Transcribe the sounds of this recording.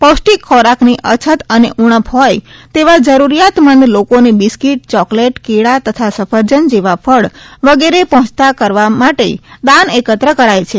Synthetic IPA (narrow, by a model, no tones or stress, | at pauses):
posʈikʰːɔɾakniʔət͡ʃʰət̪əneʔuɳ̃əpɦɔjt̪eʋad͡ʒəɾuɾijat̪mənd̪lokonibiskiʈ̚t͡ʃɔkleʈkiɽat̪ət̪ʰasəfʰəɾd͡ʒənd͡ʒeʋafʰəɭʋəɡeɾepəɦɔ̃t͡ʃt̪akəɾʋamaʈḛd̪anekət̪ɾəkəɾajt͡ʃʰe